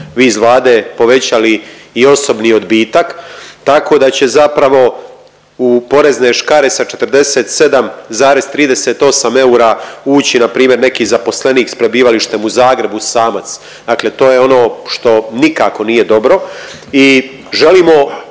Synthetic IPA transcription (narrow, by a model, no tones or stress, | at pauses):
ʋizʋlˠaːd̪epo̞ʋe̞t͡ɕaliːo̞so̞bnio̞d̪biːt̪akt̪ako̞ːd̪at͡ɕe̞zapɾaʋo̞ | upo̞ɾe̞zneːʃkaɾe̞sat͡ʃet̪ɾd̪e̞se̞ːt̪se̞d̪amzaːɾe̞z̥t̪ɾiːd̪e̞set̪o̞same̞uɾauːt͡ɕinapɾiːmje̞ɾne̞kiːzapo̞sle̞niːkspɾe̞biːʋaliʃt̪e̞muzaːɡɾe̞busaːmat̪s | d̪akle̞t̪o̞ːjeo̞no̞ːʃt̪o̞nikako̞nije̞d̪o̞bɾo̞ | i | ʒe̞liːmo̞